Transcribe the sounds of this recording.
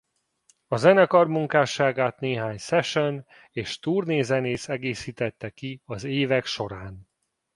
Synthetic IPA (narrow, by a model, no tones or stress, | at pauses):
ɒzɛnɛkɒrmuŋkaːʃaːɡaːt̪neːɦaːɲsɛʃøn | eːʃt̪uːrneːzɛneːsɛɡeːsiːt̪ɛt̪ːɛkiɒzeːvɛkʃo̞ɾaːn